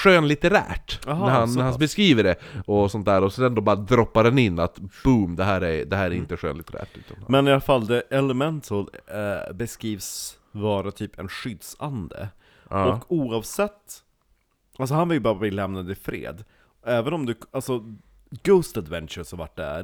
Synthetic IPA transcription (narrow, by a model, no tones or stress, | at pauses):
ɧøːnlɪt̪ɛɾæ̰ːʈɦnæɾhanːæhanbɛskɾiːvəɖɛɔsɔnt̪d̪æːɾɔsɔd̪ɛnd̪oːbɑːɾad̪ɾɔpːaɾɛnɪnːat̪b̥umd̪ɛɦæːɾæɾd̪ɛɦæːɾæɾɪnt̪əɧø̰ːnlɪt̪əɾæ̰ːʈʉ̟ːt̪anmɛnɪalafalːd̪ɛʔɛlɛmɛnt̪ʰəlbɛskɾiːvs | vɑːɾat̪ʰyːpʰɛnɧʏd̪sa̰nd̪ə̰ | ɔkːuːɑːvsɛt̪ː | als̬ɔhanvɪljəbɑːɾabliːlɛmnad̪ɪfɾḛːd̪ | ɛːvənɔmd̪ɵalsɔ | ɡ̥oːst̪ad̪vɛnt͡ʃəshaɾva̰ʈ̚ːɖ̪æ̰ɾ